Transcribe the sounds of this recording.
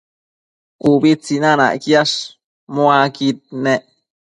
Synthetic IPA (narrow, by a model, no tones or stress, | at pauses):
ubit͡sinana̰ʔkjaʂ | moakit̪̚neʔ